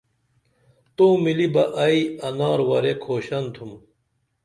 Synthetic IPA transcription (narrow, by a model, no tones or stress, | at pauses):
t̪oːmilibɐʔɐiɐnaːɾwɐɾekʰoːɕɐnt̪ʰum